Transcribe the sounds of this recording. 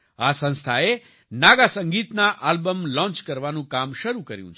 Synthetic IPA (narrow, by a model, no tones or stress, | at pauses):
asə̃ñst̪ʰae | naɡasə̃ŋɡit̪naʔalbəmlɔ̃nt͡ʃkəɾʋanũkamʃəɾukəɾjṵ̃t͡ʃʰe